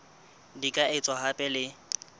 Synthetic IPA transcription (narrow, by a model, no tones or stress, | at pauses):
dikʼaɪt͡sʼwaɦapʼɛlɪ